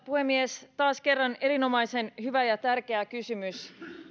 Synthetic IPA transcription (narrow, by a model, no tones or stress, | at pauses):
puhe̞mːiest̪ɑːske̞rːɑne̞ɾino̞mɑjse̞nhyʋæjɑt̪ærk̟e̞ækysymys